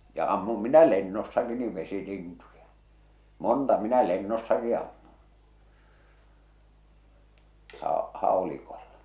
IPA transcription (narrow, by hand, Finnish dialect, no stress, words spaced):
jɑ ɑmːum minæ lenːosːɑki niʋ ʋesilintujɑ montɑ minæ lenːosːɑki ɑmːun̞ hɑˑ hɑˑolikolːɑ